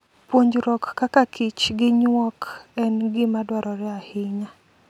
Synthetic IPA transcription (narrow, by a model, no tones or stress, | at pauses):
pwoɲd͡ʒɾɔkːakakʰɪt͡ʃɡɪɲwɔkɛnɡɪmadwaɾʔɔɾɛahɪɲa